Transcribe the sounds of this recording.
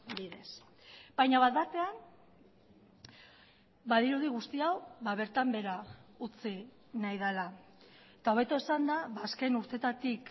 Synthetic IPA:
biðe̞s | bajɲaβat̪bat̪e̞an | baðiɾuðiɣ̞ust̪iawβae̞ɾt̪ambe̞ɾaut͡si | najð̞ala | et̪ao̞βe̞t̪o̞esand̪aβaːske̞nuɾt̪e̞t̪at̪ik

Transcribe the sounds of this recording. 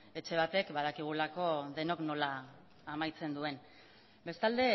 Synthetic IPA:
e̞t͡ʃe̞β̞at̪e̞kbað̞akiɣ̞ulako̞ðe̞no̞kno̞laː | majt͡se̞nd̪ue̞n | be̞st̪ald̪e̞

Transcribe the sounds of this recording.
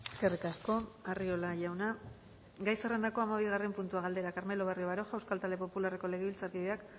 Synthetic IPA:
eeske̞rikasko̞ario̞laʝawna | ɡajse̞re̞nd̪ako̞amaβ̞iɣ̞are̞mpunt̪uaɣald̪e̞ɾakaɾme̞lo̞β̞erioaɾo̞xawskalt̪ald̪e̞po̞pulare̞ko̞le̞ɣ̞eβilt͡saɾkiðe̞ak

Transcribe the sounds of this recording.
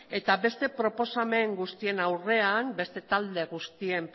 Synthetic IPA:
e̞t̪abe̞st̪e̞pɾo̞po̞same̞ŋɡust̪ie̞nawre̞ambe̞st̪e̞t̪ald̪e̞ɣ̞ust̪ie̞mp

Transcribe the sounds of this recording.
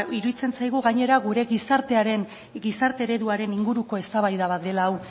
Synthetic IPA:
iɾuðit͡se̞nsajɣ̞uɣaɲe̞ɾaɣuɾe̞ɣisaɾt̪e̞aɾe̞n | ɡisaɾt̪e̞ːɾe̞ðuaɾe̞niŋɡuɾuko̞e̞st̪aβajðaβ̞at̪e̞laːw

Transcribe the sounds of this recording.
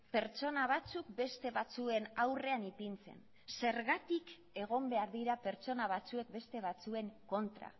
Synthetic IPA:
pe̞ɾt͡ʃo̞naβ̞at͡suk̚be̞st̪e̞βat͡sue̞nawre̞anipint͡se̞̰n | se̞ɾɣat̪ik | e̞ɣ̞o̞mbe̞aɾðiɾape̞ɾt͡so̞naβ̞at͡sue̞k̚be̞st̪e̞β̞at͡sue̞ŋko̞nt̪ɾa̰

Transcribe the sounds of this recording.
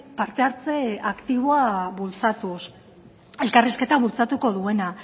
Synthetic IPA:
paɾt̪e̞aɾt͡se̞akt̪iβ̞o̞aβult͡sat̪us | e̞lkariske̞t̪aβult͡sat̪uko̞ðue̞na

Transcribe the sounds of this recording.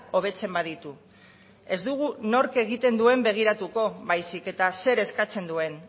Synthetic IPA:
o̞β̞e̞t͡se̞mbaðit̪u | e̞zd̪uɣ̞uno̞ɾke̞ɣ̞it̪e̞nd̪ue̞mbe̞ɣ̞iɾat̪uko̞βajsike̞t̪ase̞ɾe̞skat͡se̞nd̪ue̞n

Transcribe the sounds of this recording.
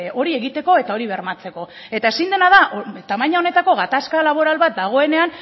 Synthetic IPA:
o̞ɾie̞ɣit̪e̞ko̞e̞t̪ao̞ɾiβe̞ɾmat͡se̞ko̞ | e̞t̪ae̞sind̪e̞naðaʔt̪amajɲao̞ne̞t̪ako̞ɣat̪askalaβo̞ɾalβat̪̚d̪aɣ̞o̞e̞ne̞an

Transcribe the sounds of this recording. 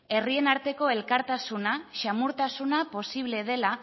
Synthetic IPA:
e̞rie̞naɾt̪e̞ko̞e̞lkaɾt̪asunaʃamuɾt̪asunapo̞siβ̞le̞ð̞e̞la

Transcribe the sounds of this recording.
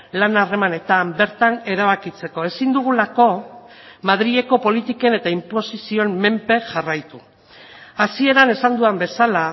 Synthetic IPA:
lanare̞mane̞t̪ambe̞ɾt̪ane̞ɾaβ̞akit͡se̞ko̞e̞sind̪uɣ̞ulako̞ | mað̞ɾiʎe̞ko̞po̞lit̪ike̞ne̞t̪aimpo̞sisio̞nmːe̞mpe̞ʝarajt̪u | asie̞ɾane̞sand̪uambe̞sala

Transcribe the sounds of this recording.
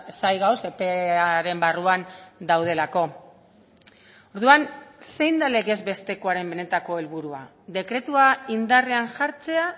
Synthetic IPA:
sajɣawsepeaɾe̞mbaruand̪awð̞e̞lako̞ | oɾðuanse̞jnd̪ale̞ɣe̞zbe̞st̪e̞ko̞aɾe̞mbe̞ne̞t̪ako̞e̞lβuɾua̰ | ðe̞kɾe̞t̪uaind̪areanʝaɾt͡se̞a

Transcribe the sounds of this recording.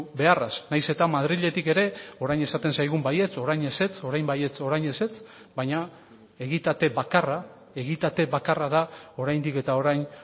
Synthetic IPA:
be̞arasnajse̞t̪amaðɾiʎe̞t̪ike̞ɾe̞o̞ɾajne̞sat̪e̞nsajɣ̞umbaje̞t͡so̞ɾajɲe̞se̞t͡so̞ɾajmbaje̞t͡so̞ɾajɲe̞se̞t͡s | bajɲa | e̞ɣit̪at̪e̞βakara | e̞ɣ̞it̪at̪e̞βakaraðao̞ɾajnd̪ike̞t̪ao̞ɾajn

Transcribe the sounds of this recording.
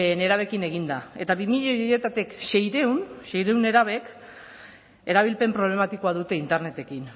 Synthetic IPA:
ne̞ɾaβ̞e̞kine̞ɣind̪ae̞t̪aβimiʎejoje̞t̪at̪ikʃe̞jɾe̞wnʃe̞jɾe̞wne̞ɾaβ̞e̞k | e̞ɾaβ̞ilpe̞mpɾo̞βle̞mat̪iko̞aðut̪e̞int̪e̞ɾne̞t̪e̞kin

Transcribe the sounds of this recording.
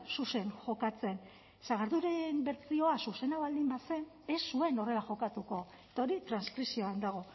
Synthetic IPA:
suse̞ŋʝo̞kat͡se̞n | saɣ̞aɾðuɾe̞mbe̞ɾt͡sio̞asuse̞naβald̪imbase̞n | e̞sːue̞no̞re̞laʝo̞kat̪uko̞et̪ao̞ɾit̪ɾanskɾisio̞and̪aɣ̞o̞

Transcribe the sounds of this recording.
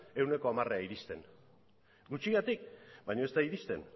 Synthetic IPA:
e̞wne̞ko̞amareaiɾist̪e̞n | ɡut͡ʃiɣat̪ik̚bajɲo̞e̞st̪aiɾist̪e̞̰n

